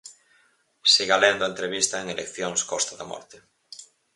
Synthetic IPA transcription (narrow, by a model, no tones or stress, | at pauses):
siɣalend̪oent̪ɾeβist̪aeŋelekθjoŋskɔst̪aðamɔ̰ɾt̪e